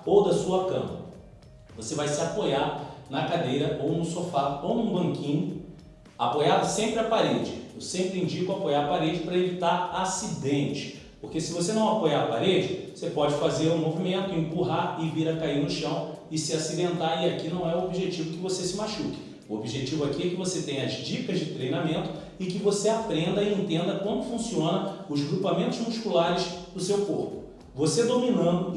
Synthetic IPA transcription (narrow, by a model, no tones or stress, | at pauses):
owd̪ɐsuɐkɐ̰̃mɐ̰ | vosevajsɪapojaɾnɐkad̪ejɾɐʔownʊsofaownũbɐ̃ŋkĩɲʊ | apojad̪ɐsẽmpɾɪapaɾed͡ʒɪewsẽmpɾɪĩd͡ʒikʊapojaɾpaɾed͡ʒɪpɾɐevit̪aɾasid̪ẽt͡ʃɪ̥ | poɾkesɪvosenɐ̃w̃apojaɾɐpaɾed͡ʒɪosepɔd͡ʒɪfazeɾũmovimẽnt̪ʊẽpuɦaɾɪviɾɐkaiɾnʊʃɐ̃w̃ɪsɪasid̪ẽnt̪aɾiakinɐ̃w̃ɛuobiʒet͡ʃivʊkɪvosesɪmaʃukɪ̥ | uobiʒet͡ʃivʊɛkiɛkɪvoset̪ẽj̃ɐzd͡ʒikɐzd͡ʒɪt̪ɾejnamẽnt̪ʊ̥ | ɪkɪvoseapɾẽnd̪ɐiẽnt̪ẽnd̪ɐkõmʊfũsiõnɐʊzɡɾupamẽnt̪ʊzmuʃkulaɾɪzd̪ʊsewkoɾpʊ̥ | vosed̪ominɐ̃nd̪ʊ